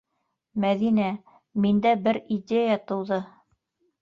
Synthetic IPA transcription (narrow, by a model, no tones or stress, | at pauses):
mæðinæ | mind̪æbɘɾid̪ʲejat̪ɤ̆wðɤ